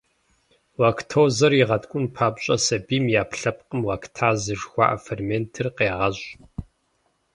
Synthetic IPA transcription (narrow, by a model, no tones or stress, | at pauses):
waːkʰtʰowzɐriʁɐtkʷʼʊnpʰaːpɕʼɐsɐbiːmjaːpɬɐpqʼəmwaːktʰaːzɨʐxʷɑ̰ːʔɐfermeːntʰɨrqeːʁɐɕʼ